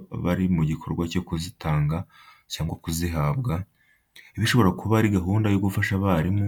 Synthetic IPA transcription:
βa̰ɾimuɟikʰo̞ɾɡwaco̞kuzitaːŋɡa | caːŋɡwakuziɦabɡa | iβiʃo̞βo̞ɾakʰuβaɾiɡaɦuːndajoɡufaʃaβaɾim

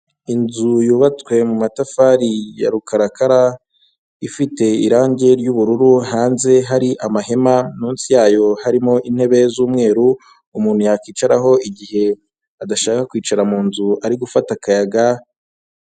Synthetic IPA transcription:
inzujuːβat͡swe̞mumatafaːɾija̰ɾukaɾakaɾa | ifite̞iɾaːɲɟe̞ɾjuβuɾuɾuhaːnze̞ɦaɾiʔamahe̞manuːnsijaːjo̞haɾimo̞ʔin̥he̞βe̞zuːmŋe̞ːɾuː | muːn̥hujakiːt͡ʃaɾaɦo̞iɟihe̞ | adaʃaːkakwiːt͡ʃaɾamuːnzuaɾiɡufatakajaɡa

